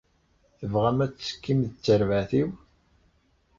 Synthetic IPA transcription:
θəvʁæmæt͡sːsə̥kːimðət͡sːəɾvaθiw

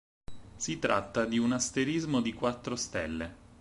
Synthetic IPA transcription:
sit̪ɾa̰t̪ːad̪iunast̪eɾizmod̪ikwat̪ːɾost̪ɛ̰lːe

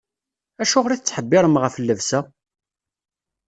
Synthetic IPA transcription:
æʃʊʁɾiθət͡sːħəbːɪɾˤəmʁəflːəvsæ

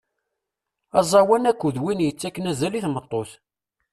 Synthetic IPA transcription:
ɑzˤɑwænækʷːuðwinjət͡sːækːənæzæliθmət̪ˤːoθ

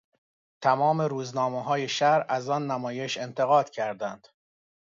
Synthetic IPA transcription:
t̪ʰæmɒːme̞ɾuːznɒːmeɦɒːje̞ʃæɾæzɒːnːæmɒːje̞ʃe̞nt̪ʰeɣɒːd̪̥cʰæɾd̪ænd̪̥

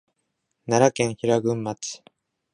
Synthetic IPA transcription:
naɾakẽ̞ɰ̃çiɾaɡɯ̟̃mːat͡sɨ̥

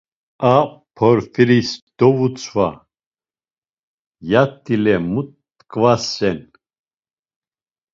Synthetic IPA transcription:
apʰɔɾfiɾisd̪̥ɔvut͡sʰʼva | jat̪ʰʼːilɛmut̪ | kʼvasɛn

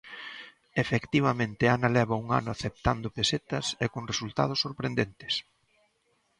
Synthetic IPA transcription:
efekt̪iβɐmẽnt̪ɪanɐlɛβɐuŋa̰nʊaθep̚t̪and̪ʊpeset̪ɐsekoŋresult̪a̰ð̞ʊsːoɾpɾend̪ent̪ɪ̥s

